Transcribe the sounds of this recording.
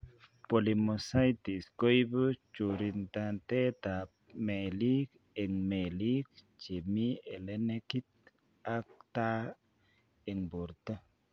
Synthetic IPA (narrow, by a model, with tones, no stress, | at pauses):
po˨li˨mo˨sa˦jt̪i˨sko˦jbu˦t͡ʃu˨ɾi˧nt̪a˧nt̪e˦t̪a˨ | me˨li˦k | e˨ŋme˨li˦k | t͡ʃe˨mi˦e˨le˦ne˦ki˦t̪̚ | a˦k̚t̪a˦ | e˨ŋbu˨ɾt̪a˦